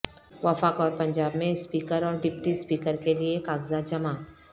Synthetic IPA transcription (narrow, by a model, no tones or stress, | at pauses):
ʋɐfaːkɔːɾpɐ̃ɲd͡ʒaːbmẽspiːkəɾɔːɾɖɪpʈispiːkəɾkeliekaːɡzad͡ʒɐmaː